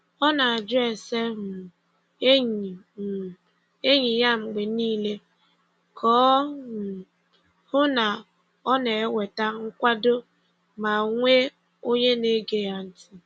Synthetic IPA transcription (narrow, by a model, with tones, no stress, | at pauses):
ɔ˦na˨a˨d͡ʒʊ˦e˨se˦mʊ˨ | e˦ɲ˨ | e˦ɲi˨ja˦ŋ͡m̩˨ɡ͡be˨niː˦le˦ | kʰɔː˨˦˨ | hʊ˦na˨ | ɔ˦ne˨e˦wʷe˨ta˦ŋ̩˦kʷa˦do˦ | ma˨ŋʷe˦ | o˦ɲe˦ne˨˦ɡe˦ja˨n̩˦tɪ˦